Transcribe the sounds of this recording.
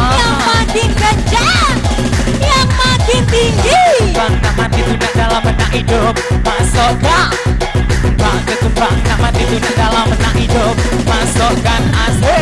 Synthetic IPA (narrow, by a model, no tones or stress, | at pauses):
jaŋmaɡɪŋɡəɲd͡ʒa | jaŋmaɡɪnt̪iŋɡiəmbaŋnaʔmat̪ibunaʔdalamːənaʔhidʊp̚masoɡaʔsəmbaŋkəsəmbaŋnaʔmat̪ibunaʔdalamənaʔhidʊp̚masokanase